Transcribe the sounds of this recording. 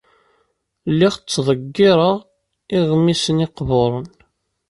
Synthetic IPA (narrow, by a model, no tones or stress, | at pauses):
lːiʁt͡sːðˤəɡːɪɾˤəʁ | ɪʁmisənɪqvoɾˤən